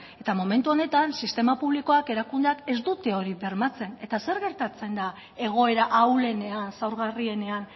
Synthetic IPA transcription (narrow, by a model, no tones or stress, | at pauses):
e̞t̪amo̞me̞nt̪uo̞ne̞t̪ansist̪e̞mapuβ̞liko̞ake̞ɾakund̪eake̞zd̪ut̪eo̞ɾiβe̞ɾmat͡se̞ne̞t̪ase̞ɾɣe̞ɾt̪at͡se̞nd̪a | e̞ɣ̞o̞e̞ɾaʔawle̞ne̞ansawɾɣarie̞ne̞an